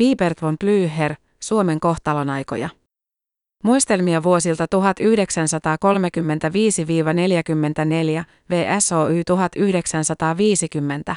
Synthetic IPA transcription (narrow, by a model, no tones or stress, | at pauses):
piːpert̪ʋomplyːɦer | suo̞me̞ŋko̞xt̪ɑlonɑjko̰jɑ | mujst̪e̞lmiɑʋuo̞silt̪ɑt̪uɦɑt̪yhde̞ksænsɑt̪ɑːko̞lme̞kymːe̞nt̪æʋiːsiʋiːʋɑne̞ljækymːe̞nt̪æne̞ljæ | ʋe̞ːʔæso̞ːyːt̪uɦɑt̪yhde̞ksænsɑt̪ɑːʋiːsikymːe̞nt̪æ